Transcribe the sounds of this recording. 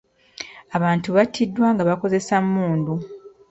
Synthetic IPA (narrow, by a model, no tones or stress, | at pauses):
aβaːntuβatʰːidːwaːŋɡaβako̞ze̞sammuːndu